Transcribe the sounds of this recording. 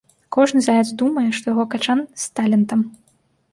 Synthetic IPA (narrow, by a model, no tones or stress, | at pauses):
kɔʐnɨzajʲɛd̪zd̪umɐjɛʂt̪ɔjaɣɔkat͡ʂanst̪alʲɛnt̪ɐm